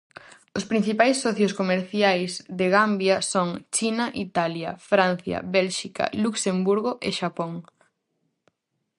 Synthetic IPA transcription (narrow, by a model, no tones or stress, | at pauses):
ospɾĩn̟θipajsːɔθjoskomeɾθjajzðeɣambjɐsoŋt͡ʃinɐʔit̪aljɐ̰fɾãnθjɐ̰βɛlʃikɐ̰luksembuɾɣoʔeʃapoŋ